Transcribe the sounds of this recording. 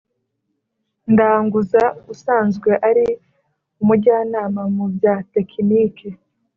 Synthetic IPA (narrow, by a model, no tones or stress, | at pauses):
ndaːŋɡuzausaːnzɡwe̞ʔaɾi | umuɟaːnaːmamubɟaːte̞kʰiniːke